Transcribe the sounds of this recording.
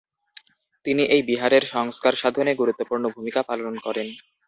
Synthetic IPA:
t̪iniʔejbiɦaɾeɾʃɔŋskaɾʃad̪ʱoneɡuɾut̪ːopuɾnobʱumikapalonkɔɾen

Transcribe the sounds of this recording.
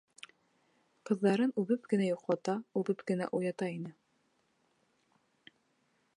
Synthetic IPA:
qɤ̆ðːɑɾɤnʉβɘpkɘ̆næjuqlˠɑt̪ɑʉβɘpkɘ̆næ̰ʔujɑt̪ɑinɘ

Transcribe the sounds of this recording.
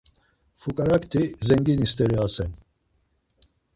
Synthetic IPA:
fukʼaɾakt̪ʰizɛŋɡinist̪ɛɾiaːsɛn

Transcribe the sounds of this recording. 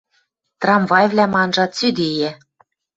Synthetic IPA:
t̪rɑmvɑjvlʲæmɑnʒɑt̪t͡syd̪eje

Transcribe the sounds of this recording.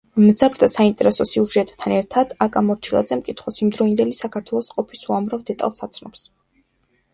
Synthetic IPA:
md̪zabɾd̪asaint̪ʼɛɾɛsɔsiuʒɛt̪ʼt̪ʰːanɛɾt̪ʰad̪̥akʼamɔɾt͡ʃʰilˠa̰d̪zɛmkʼit̪ʰχwasimd̪ɾɔind̪ɛlisakʰaɾt̪ʰwɛlˠɔsqʼɔpʰisuamɾavd̪ɛt̪ʼa̰lˠsat̪sʰnɔps

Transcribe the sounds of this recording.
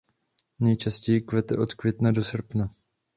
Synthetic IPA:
nɛjt͡ʃascɛjɪkvɛt̪ɛʔo̞t̪kvjɛt̪nado̞sr̩pna

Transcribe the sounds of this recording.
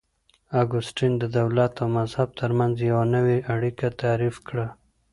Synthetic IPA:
aɡʊsʈind̪əd̪awlat̪awmazhab̚t̪ʰəɾmanzjawanəweaɽikat̪aɾifkɽa

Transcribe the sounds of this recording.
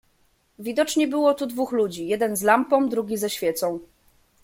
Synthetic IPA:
vʲid̪ɔt͡ʂɲɛbɘwɔt̪ud̪vuxlud͡ʑijɛd̪ɛnzlampɔ̃w̃d̪ɾuɡʲizɛɕfʲjɛt̪sɔ̃w̃

